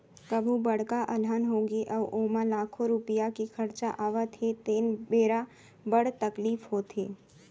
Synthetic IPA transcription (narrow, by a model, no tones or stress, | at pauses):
kəbʱubəɽkaʔəlɦanɦoɡiʔəʋʔomãlakʰoɾupijakikʰəɾt͡ʃaʔaʋat̪ʰet̪enbeɾa | bəɽt̪əklifɦot̪ʰe